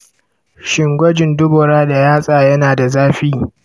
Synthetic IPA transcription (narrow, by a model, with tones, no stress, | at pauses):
ʃɪ˨ŋɡʷɐ˦d͡ʒɪ˨ndʊ˦bɔ˨ɾaː˦da˨jaː˦sʼaː˨jɐ˦naː˨da˨zaː˦ɸiː˦